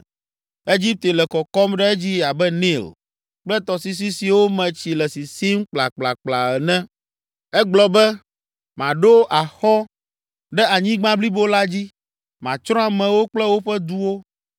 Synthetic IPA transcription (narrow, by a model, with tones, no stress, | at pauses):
e˦d͡ʑi˦p̚t̪e˨lɛ˨kɔ˨kɔ˦mɖɛ˦ɛ˦d͡ʑi˦a˨bɛ˦ni˦˨l | k͡plɛ˦t̪ɔ˨si˦s̬i˦si˨wo˦mɛ̃˨t͡ɕi˨lɛ˨si˨si˦mk͡pla̰˨k͡pla˨k͡pla̰˨ɛ˨nɛ̃˦ | ɛ˦ɡ͡blɔ˨bɛ˦ | mã˨ɖo˦ʔa˨xɔ˦ | ɖɛ˦a˨ɲĩ˦ɡ͡bã˦bli˦bo˦la˦d͡ʑi˦ | mã˨t͡ʃɾɔ̃˦a˨mɛ̃˨wo˦k͡plɛ˦wo˦ɸɛ˦d̪u˦wo˦